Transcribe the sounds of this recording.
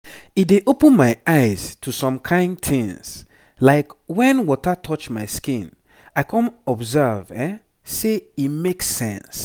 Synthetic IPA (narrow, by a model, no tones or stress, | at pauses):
itdeʔopə̃nmaɪaɪz̥tʰusɔ̃mkʰãɪ̃ndθĩŋs | laɪkwɛ̃nwɔtətʰɔt͡ʃmaɪskĩn | aɪkʰɔ̃mɔbzɛvɛ | seimekssɛ̰̃ns